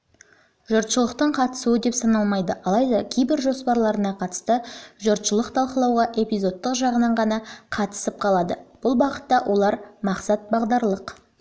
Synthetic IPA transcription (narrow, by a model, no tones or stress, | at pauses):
ʒʊɾt̪ʃəlˠəqt̪əɴqʰɑt̪ə̥suəd̪e̞psɑnɑlˠmɑjd̪əʔɑlˠɑjd̪ɑkʲʰejbɪɾʒo̞spɑɾlˠɑɾənɑqʰɑt̪ə̥st̪əʒʊɾt̪ʃəlˠəqt̪ʰɑlˠqəlˠɑwʁɑʔe̞pijzo̞t̪ːəqʒɑʁənɑɴʁɑnɑqʰɑt̪ə̥səp̚qʰɑlˠɑd̪əb̥ʊlˠbɑqət̪ːɑwʔo̞lˠɑɾmɑqsɑt̪̚bɑʁd̪ɑɾlˠəq